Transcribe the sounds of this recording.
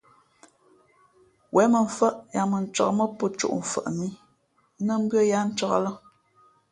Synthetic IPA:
wʔɛ˨˦mə˨ɱ̩˨fə˦ʔja˨mə˨n̩˨t͡ʃɔ̰˨kmə˦pə˦˨t͡ʃo̰˦ʔm̩˨fə̰˨ʔmi˦ | nə˦m̩˦bɰə˦ja˦n̩˦t͡ʃɔ˨kə̰˦lə˦

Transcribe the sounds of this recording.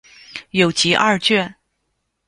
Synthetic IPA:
jo˨˩ʊt͡ɕi˧˥ʔa̰˥˧t͡ɕɥɛ˥˩

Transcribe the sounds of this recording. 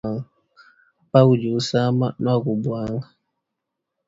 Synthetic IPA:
ŋ | pa˦wu˨d͡ʒu˨˦sa˦ma˦nwa˦˨ɡu˨bwa˨˦ŋ

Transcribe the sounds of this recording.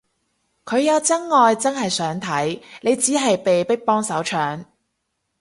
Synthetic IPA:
kʰɵ˨˧ɥjɐ˨˧wt͡sɐ˥ŋːɔː˨˧jt͡sɐ˥nɦɐ˨jsœː˨˥ŋt̪ʰɐ˨˥jne˨˧jt͡siː˨˥ɦɐ˨jpe˨jpɪ˥k̚pɔː˥ŋsɐ˨˥wt͡ʃʰœː˨ŋ

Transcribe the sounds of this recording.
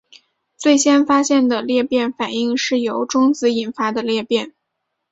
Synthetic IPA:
t͡swe˥˩ɪɕjɛ˥nfa˥ɕjɛ˥˩nd̪ə˩ljɛ˥˧pjɛ˥˩nfa˨˩ni˥˩˧ŋʂɻ̩˥˩jo˧˥ʊʈ͡ʂʊ˥ŋt͡sɹ̩˧˥i˨˩nfa˥d̪ə˨ljɛ˥˧pjɛ˥˩n

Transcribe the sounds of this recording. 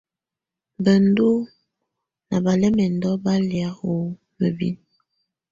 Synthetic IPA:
bə˨n˦du˦ | na˨ba˨lɛ˦mɛ˨ndɔ˦ba˦lja˦ho˨˦ | mə˨bḭ˦n

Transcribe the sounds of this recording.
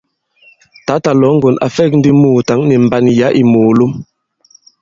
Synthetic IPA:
ta˨˦ta˨lɔ˨˦ŋ̩˦ɡo˨na̰˨fɛ˦˨k̚n̩˦di˦muː˨ta˨˦ŋni˨m̩˨ba˦nja˨˦ʔi˨moː˨lo˦m

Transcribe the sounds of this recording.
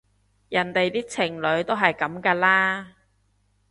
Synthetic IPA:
jɐ˨˩nt̪e˨jt̪iː˥t͡sʰɪ˨˩ŋlɵ˨˧˥ɥt̪o˥wɦɐ˨jkɐ˨˥mkaː˧laː˥

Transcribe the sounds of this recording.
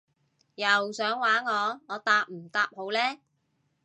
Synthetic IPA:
jɐ˨wsœː˨˥ŋwaː˨˥nŋɔː˨˧ŋɔː˨˧t̪aː˧p̚m̩˨˩t̪aː˧p̚ho˨˧wlɛː˥

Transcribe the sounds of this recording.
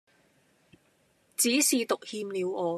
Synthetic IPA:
t͡siː˨˥siː˨t̪ʊ˨k̚hiː˧mliː˨˧wɔː˨˧

